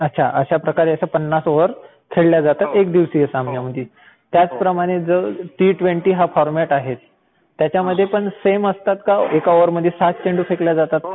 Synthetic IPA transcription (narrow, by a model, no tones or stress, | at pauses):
ətːɕʰa̰ʔə̰ɕapɾəkaɾeəsəpənːasoʋəɾ | kʰeɭljad͡zat̪at̪ek̚d̪iʋsiːəsəamnjaməd̪ʱje | t̪jat͡spɾəmaɽ̃ed͡zəʈiːʈʋeɳʈiːɦafɔɾmɛʈaɦet̪ː | jat͡ɕaməd̪ʱːjepəɳseməst̪at̪kaekaoʋəɾməd̪ʱjesat̪̚t͡ɕẽɳɖufekljad͡zat̪at̪̚